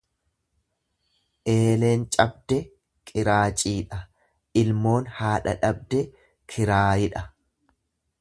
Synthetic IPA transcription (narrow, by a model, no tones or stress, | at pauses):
ʔe̞ːle̞ːnt͡ʃʼɐb̚d̪ɛ | kʼɪɾaːt͡ʃʼiːᶑɐ | ʔɪlmo̞ːnhaːᶑɐ̰ᶑɐbd̪ɛ | kʰɪɾaːjɪᶑɐ